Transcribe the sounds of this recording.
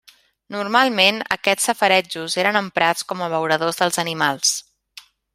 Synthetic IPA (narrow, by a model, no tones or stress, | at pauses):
nurmalˠmenə̰kɛt͡sːəfəɾɛd͡ʒuzeɾənəmpɾat͡skɔməβ̞əwɾəðozðəlˠzənimalˠs